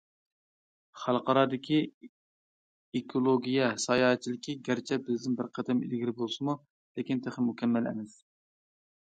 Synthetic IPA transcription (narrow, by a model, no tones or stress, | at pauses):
χælˠqʰɑɾɑːd̪ɪkʲʰi | ekʰolˠoɡʲijɛsɑjɑːɛt͡ʃʰilɪkʲiɡʲæɾt͡ʃʰɛbɪzd̪ɪnbɪɾqʰæd̪ɛmḭlɡʲiɾɪbolˠsɨmu | lekʲint̪ʰeχɪmukʲʰɛmːɛlɛ̰mɛs